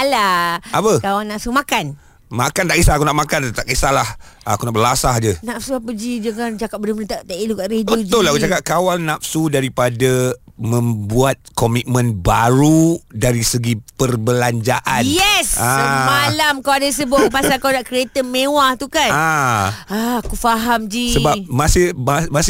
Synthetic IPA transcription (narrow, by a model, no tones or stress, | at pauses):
alaapəkawanːapsumãkan | makant̪aʔkisaakunaʔmakant̪aʔkisahlahakunaʔbəlasahd͡ʒənafsuapəd͡ʒid͡ʒəŋant͡ʃakap̚bədəmənət̪at̪aʔilukaʔɾedbiəutd͡ʒ̪ʊlahkut͡ʃakap̚kawanːapsudaɾipadamə̃mbuat̪̚komit̪̚mə̃nbaɾudaɾisəɡipərbəlaɲd͡ʒaʔanjɛsaəmalamkawadasəbʊpasakanaʔkɾiet̪əmewaht̪ukana | akufaɦamd͡ʒisəbapmasɪhmamasɪ